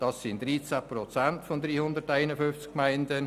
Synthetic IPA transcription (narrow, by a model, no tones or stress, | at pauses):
d̥ɑsːɪntd̥ɾiːt͡sæprɔt͡santfɔnd̪ɾiːhʊndəɾtaɪnəfʏft͡skmaɪndən